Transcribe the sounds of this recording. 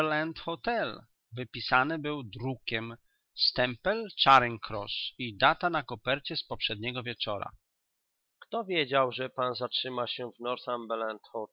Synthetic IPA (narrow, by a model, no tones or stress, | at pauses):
lant̪xɔt̪ɛl | vɘpʲisanɘbɘwd̪ɾukʲɛm | st̪ɛmpɛlt͡ʂaɾɛŋkɾɔ̰ʂid̪at̪anakɔpɛɾt͡ɕɛspɔpʂɛd̪̚ɲɛɡɔvʲjɛt͡ʂɔɾa̰ | kt̪ɔvʲjed͡ʑawʐɛpanzatʂɘmaɕɛvnɔɾsambɛlant̪xɔ